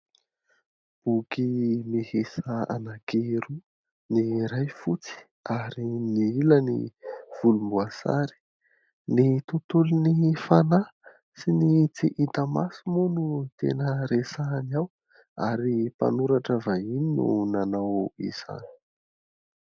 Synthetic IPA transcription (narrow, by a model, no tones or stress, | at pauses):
b̥ukimihesaa̰naɡeɾu | niɾajfut͡si̥ | aɾiniilənḭv̥ulumbuasa̰ɾi̥ | nit̪ut̪ulunifana | sinit͡siʔit̪amasumunut̪ḛnəɾesanaw | a̰ɾipa̰nuɾaʈ͡ʂəvaininṵnanawḭz̥a̰ni̥